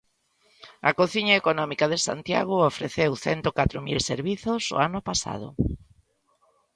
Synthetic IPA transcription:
ɐ̰koθiɲaekonɔmikaðesa̰nt̪ja̰ɣʊofɾeθewθɛnt̪okat̪ɾomilseɾβiθoso̰anʊpasa̰ð̞o̰

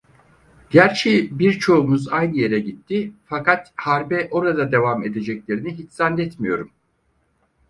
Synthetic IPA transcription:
ɟ̥æɾt͡ʃʰejbiɾt͡ʃʰo̞umuzajnɯje̞ɾɛɟit̪ʰːifakat̪haɾbɛʔo̞ɾad̪ad̪e̞vame̞d̪e̞d͡ʒɛclʲe̞ɾiniɦit͡ʃsanlɛt̪mijo̞ɾum

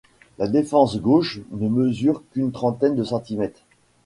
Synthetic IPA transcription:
lad̪efɑ̃sɡoʃnəməzyʁkynt̪χɑ̃t̪ɛnd̪əsɑ̃t̪imɛt̪χ

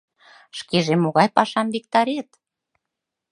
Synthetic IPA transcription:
ʃkeʒemoɣɑjpɑʃɑmβek̚t̪ɑɾet̪

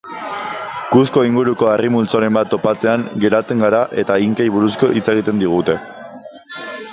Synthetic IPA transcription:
kuθko̞iŋɡuɾuko̞arimult͡soɾe̞mbat̪ːo̞pat͡se̞aŋɡe̞ɾat͡se̞ŋɡaɾaʔe̞t̪aiŋkejβuɾusko̞ʔit͡se̞ɣ̞it̪e̞nd̪iɣ̞ut̪e̞

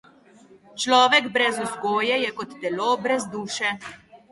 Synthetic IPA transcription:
t͡ʃlɔːʋɛɡbɾɛzusɡoːjɛjɛkɔt̪ːɛloːbɾɛzd̪uːʃɛ

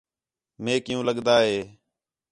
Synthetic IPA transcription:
mẽːkɪjũːləɠd̪aːɦeː

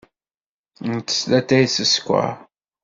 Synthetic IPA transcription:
nt̪ːə̥slæt̪ːæjsəskʷːa̰

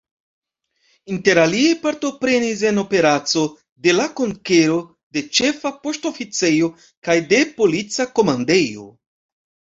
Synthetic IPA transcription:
inte̞ɾaliepaɾto̞pɾe̞nis̬e̞no̞pe̞ɾat͡so̞ | de̞lako̞ŋke̞ɾo̞ | de̞t͡ʃe̞fapo̞sto̞fit͡se̞jo̞ | kajde̞po̞lit͡sako̞mande̞jo̞̰

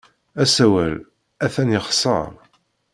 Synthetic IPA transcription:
æsæwæl | æθænjəχsˤɑ̰ɾˤ

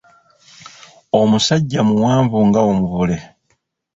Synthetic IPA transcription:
o̞musaɟːamuwaːɱvuŋɡaomuβule̞

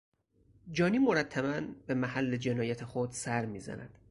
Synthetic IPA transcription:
d͡ʒɒːniːmoɾæt̪ʰːæβænbe̞mæhælːe̞d͡ʒe̞nɒːjæt̪ʰexod̪̥sæɾmiːzæ̰næ̰d̪̥

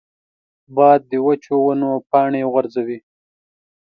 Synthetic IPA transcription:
bɑd̪̚ːəwat͡ʃowanopɑːɳeɣaɾzawi

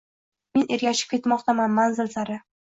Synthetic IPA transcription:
me̞ne̞ɾɡʲaʃɪ̥p̚kʲe̞t̪mɒqt̪ʰamanmanzɪlsaɾɪ

